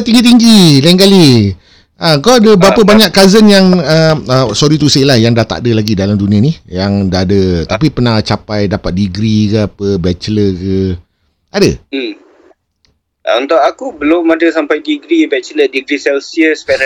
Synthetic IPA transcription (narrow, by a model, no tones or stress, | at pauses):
t̪iŋɡit̪̬iŋɡilaiŋkali | ʔakawadəbəapəbaɲaʔkːazənjaŋəəsɔɾit̪uselahjaŋdaht̪a̰ʔdəlaɡidalamdunĩanijaŋdaadət̪apipərnat͡ʃapajdapat̪̚diɡɾikəapəbɛt͡ʃləkə | adə | ʔunt̪oʔakubəlʊmadəsampajdiɡɾibɛt͡ʃlədiɡɾisɛlsiəspɛ